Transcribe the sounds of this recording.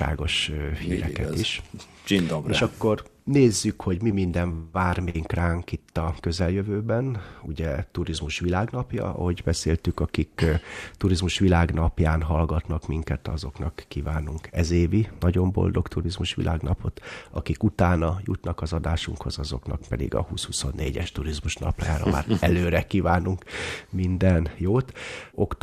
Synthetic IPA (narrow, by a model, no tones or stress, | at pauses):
a̰ːɡo̞ʃhḭːɾɛ̰kɛt̪iʃ | t͡ʃind̪ɡeːʃɒkːo̞rneːzːykho̞ɟmimind̪ɛɱvaːrmeːŋkraːŋkit̪ːɒkø̞zɛljøvøːbɛnuɟɛt̪uɾizmuʃʋilaːɡnɒpjɒ̰ɒ̰ho̞ɟbɛseːlt̪ykɒkikt̪uɾizmuʃʋilaːɡnɒpjaːnɦɒlɡɒt̪nɒkmiŋkɛt̪ɒzo̞knɒkːiːvaːnuŋkɛzeːvinɒɟo̞mbo̞̰ld̪o̞kt̪uɾizmuʃʋḭlʔa̰ːɡnɒpʰo̞t̪ɒkikut̪aːnɒjṵt̪nɒkɒzɒd̪aːʃuŋkho̞zɒzo̞knɒkpɛd̪ḭɡɒ̰hṵːshuso̞nːḛːɟɛʃt̪uɾizmuʃnɒ̰pla̰ːjaːɾɒ̰ma̰ːɾɛløːɾɛkiːvaːnuŋkmind̪ɛnjoːt̪okt̪